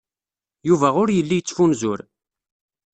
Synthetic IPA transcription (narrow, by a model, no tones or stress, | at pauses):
juvæʁʊɾjəlːijt͡sːfunzʊɾ